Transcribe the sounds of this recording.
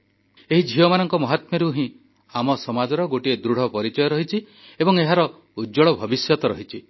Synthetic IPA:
eɦid͡ʒʱijɔmanɔŋkɔmɔɦat̪meɾuɦĩ | amɔsɔmad͡ʒɔɾɔɡoʈied̪ɾuɽ̤ɔpɔɾit͡ʃɔjɔɾɔɦit͡ʃʰi | ebɔŋeɦaɾɔ | ud͡ʒɔɭɔbʱɔbisjɔt̪ɔɾɔɦit͡ʃʰi

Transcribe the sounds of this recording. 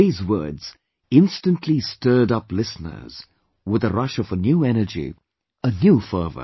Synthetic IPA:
iːzwɜ̰˞dz̥ | ɪ̃nstɨ̃ntʰˡlistɜ˞ɾʌplɪsnə̰˞z̥ | wɪðəɹʌʃʌvənjuɛnəd͡ʒḭ | ənjufɜ˞və̰

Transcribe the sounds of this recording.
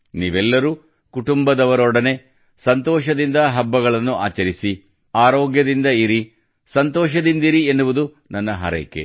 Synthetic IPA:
niːʋɛlːɐɾuː | kuʈumbɐd̪ɐʋɐɾɔɽɐne̞ | sɐnt̪ɔːʃɐd̪ind̪ɐɦɐbːɐɡɐɭɐnːuʔa̰ːt͡ʃɐɾisi | aːɾɔːɡjɐd̪ind̪ɐiɾi | sɐnt̪ɔːʃɐd̪ind̪iɾienːuʋud̪u | nɐnːɐɦɐ̰ɾɐ̰kːḛ

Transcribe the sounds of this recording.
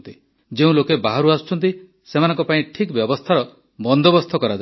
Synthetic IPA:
nt̪i | d͡ʒeũlokebaɦaɾuasu̥t͡ʃʰɔnt̪i | semanɔ̃ŋkɔpaĩʈʰikbjɔbɔst̪ʰaɾɔ | bɔnd̪ɔbɔst̪ʰɔkɔɾad͡ʒa

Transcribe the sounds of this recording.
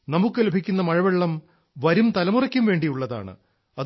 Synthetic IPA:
nɐmukːɨlɐebʱikʲːunːɐmɐɻɐʋeɭːɐm | ʋɐɾumt̪ɐlɐmurɐkʲːumʋe̞ːɳɖijuɭːɐða̰ːɳɨ̰ | ɐð

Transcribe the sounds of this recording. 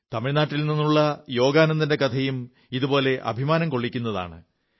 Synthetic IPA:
t̪ɐmiɻnaːʈːilninːuɭːɐjo̞ːɡaːnɐnːinde̞kɐt̪ʰɐjum | iðubo̞ːle̞ʔɐ̰bʱimaːnɐmko̞ɭːikʲːunːɐða̰ːɳɨ̰

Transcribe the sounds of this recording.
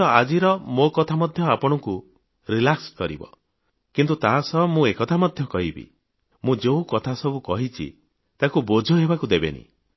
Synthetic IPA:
ɔad͡ʒiɾɔmokɔt̪ʰamɔd̪ʱjɔapɔɽ̃ɔku | ɾilakskɔɾḭbɔ̰ | kint̪ut̪aɦasɔmũekɔt̪ʰamɔd̪ʱjɔkɔɦibḭ | mũd͡ʒeũkɔt̪ʰasɔbukɔɦit͡ʃʰḭ | t̪akubod͡ʒʱɔɦebakud̪ebḛnḭ

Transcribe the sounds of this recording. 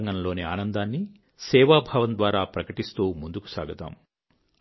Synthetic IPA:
ŋɡɐnɐlo̞ːniaːnɐnd̪aːnːi | sɛːʋaːbʱaːʋɐnd̪ʋaːɾaːpɾɐkɐʈist̪uːmund̪uku̥sa̰ːɡɐt̪a̰ːm

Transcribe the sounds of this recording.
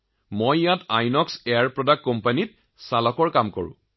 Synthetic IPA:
mojjatajnɔksɛjaɹpɹɔdakːɔmpanit | salɔkɔɹkamkɔ̰ɹʊ̰̃

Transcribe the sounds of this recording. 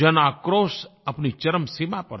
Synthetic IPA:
ənakɾosəpnit͡ʃəɾəmsimapə̰

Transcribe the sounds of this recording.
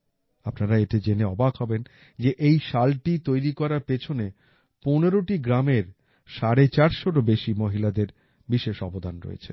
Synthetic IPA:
apnaɾaeʈed͡ʑeneɔbakɦɔben | d͡ʑeʔejʃalʈit̪ojɾikɔɾaɾpet͡ɕʰone | poneɾoʈiɡɾameɾ | ʃaɾet͡ɕaɾʃoʈobeʃimoɦilad̪eɾ | biʃeʃɔbod̪ʱanɾo̰ḛt͡ɕʰe

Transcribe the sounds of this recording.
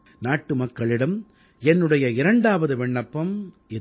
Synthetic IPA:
naːʈːɯmɐkːɐɭɪɽɐm | ɛnːɯɽɐjɐɪɾɐɳɖaːʋɐðɯʋɛɳːɐpːɐm | ɪ

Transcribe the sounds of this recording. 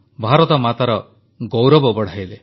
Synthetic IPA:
bʱaɾɔt̪ɔmat̪aɾɔ | ɡowɾɔbɔbɔɽ̤ajle

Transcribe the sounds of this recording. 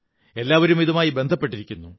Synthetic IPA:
e̞lːaːʋɐɾumiðɐmaːjibe̞nd̪ʱɐpːe̞ʈːiɾikʲːunːu

